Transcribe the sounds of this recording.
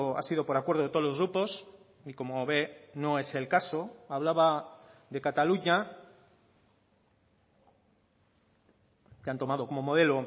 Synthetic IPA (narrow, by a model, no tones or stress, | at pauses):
a̰siðo̞poɾakwe̞ɾð̞oet̪olo̞zɣɾupo̞s | iko̞moβe̞no̞e̞se̞lkasoaβ̞laβaðe̞kat̪aluɲa | kant̪o̞mað̞o̞ko̞mo̞moð̞e̞lo